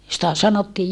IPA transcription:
sĭtæ sɑnotːiː

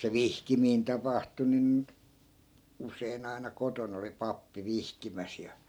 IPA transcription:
se ʋihkimiːn tɑpɑhtu nin usˑein ɑinɑ koton oli pɑpːi ʋihkimæs jɑ

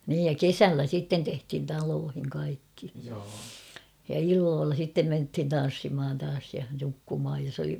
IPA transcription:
niːj jɑ kesælːæ sitːen tehthin tɑloːhiŋ kɑikːi jɑ ilːoːlːɑ sitːem menthin tɑn̞sːimhɑn tɑːs jɑ nukːumhɑj jos oli

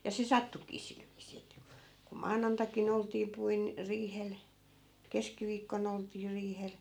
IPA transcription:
jɑ se sɑtːukiː sil ʋiːsˑiː etːæ ku ku mɑːnɑntɑkin oltˑiː puin riːhel keskiʋiːkːon oltˑiː riːhel

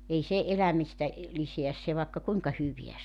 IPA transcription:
ei se elæmistæ liseæs se ʋɑˑekːɑ kuiŋkɑ hyʋiæ

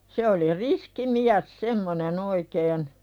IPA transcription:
se oli riski miæs semːonen oikeːn

